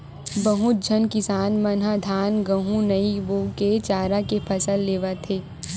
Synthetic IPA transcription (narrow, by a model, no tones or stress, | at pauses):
bɐɦʊt̪̚d͡ʒʱɐnkɪsaːnmɐnɦad̪ʱaːnɡɐ̃ɦũnɐiʋoket͡ʃaːɾakepʰɐsəlːeːʋat̪ʰeː